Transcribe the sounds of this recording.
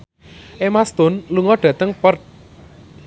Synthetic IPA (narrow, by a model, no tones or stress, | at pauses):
ʔemast̪ʊnluŋɔɖ̥ä̤t̪əŋpərt̪̚